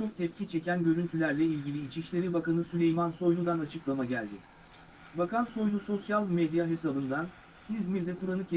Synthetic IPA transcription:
t͡ʃʰo̞k̚t̪ʰɛpcit͡ʃʰe̞cʰænɟø̞ɾynt̪ʰylʲæɾlʲɛilʲɟʲilʲiːt͡ʃʰiʃlʲe̞ɾibakanɯsylʲe̞jmanso̞jlˠud̪anat͡ʃʰɯklˠamaɟælʲd̪ɪ | vakʰanso̞jlˠuso̞sjalˠmed̪jaɦe̞sabɯnd̪an | hizmiɾd̪ɛkʰuɾanɯcʰe

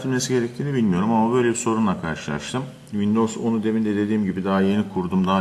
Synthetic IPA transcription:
t̪ʰilʲme̞siɟe̞ɾɛc̚t̪ʰiːnibilʲmijo̞ɾumamabø̞jlʲebiso̞ɾunlˠakʰaɾʃɯlˠa̰ɾʃt̪ʰɯm | vind̪o̞zo̞nud̪e̞vind̪ɛd̪e̞d̪iːmɟibid̪aːaje̞nikʰuɾd̪umd̪aː

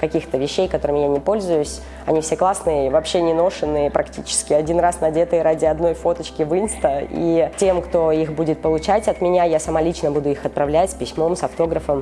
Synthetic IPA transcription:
kɐkʲixt̪əvʲɪɕːejkɐt̪o̞ɾɨmʲɪjanʲɪpo̞lʲzʊjʊsʲ | ɐ̰nʲifsʲeklˠasnɨjəivɐpɕːenʲɪno̞ʂɨnːɨjəpɾʔɐktʲit͡ɕɪ̥skʲɪɐdʲinrasnɐdʲet̪əjɾadʲɪɐd̪no̞jfo̞t̪ət͡ɕkʲɪvɨnst̪əḭtʲe̞mkt̪o̞ixbudʲɪt̪̚pəlˠʊt͡ɕætʲɐt̪mʲɪnʲajasɐmalʲit͡ɕnəbud̪ʊixɐt̪̚pɾɐvlʲætʲspʲɪsʲmo̞msɐft̪o̞ɡɾəfəm

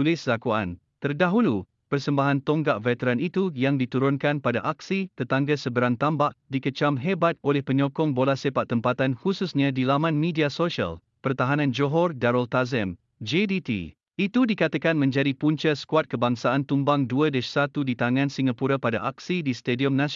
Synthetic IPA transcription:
ulɪslakua̰n | t̪ərdaɦulu | pərsəmbaɦant̪ɔŋɡaʔvɛt̪əɾanit̪ujaŋdit̪uɾʊnkanpada̰ʔaksit̪ət̪aŋɡəsəbəɾaŋt̪ambaʔ̚dikət͡ʃamɦebat̪̚olɛhpəɲɔkɔŋbolasepaʔt̪ːəmpat̪anhususɲãdilamãnmidiasoʃia̰l | pərt̪aɦanãnd͡ʒoɦɔrdaɾɔlt̪azɛm | d͡ʒedit̪ḭ | it̪udikat̪akanmə̃ɲd͡ʒadipuɲt͡ʃəsə̥kuat̪̚kəbaŋsaʔant̪umbaŋduədəsat̪udit̪aŋãnsiŋapuɾapada̰ʔak̚sidist̪ediɔmna

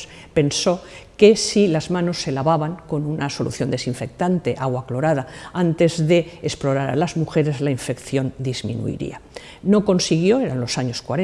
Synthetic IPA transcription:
s | pe̞nso̞ke̞silazmãno̞sːe̞laβaβaŋko̞nunaso̞lṵθjo̞nd̪e̞siɱfe̞k̚t̪ant̪e̞ʔaɣwaklo̞ɾaðaant̪e̞zðe̞ːsplo̞ɾaɾa̰lazmuxe̞ɾe̞zlaiɱfe̞kθjo̞nd̪izmḭ̃nṵḭɾḭa | no̞ko̞nsiɣjo̞eɾanlo̞saɲo̞skwaɾe

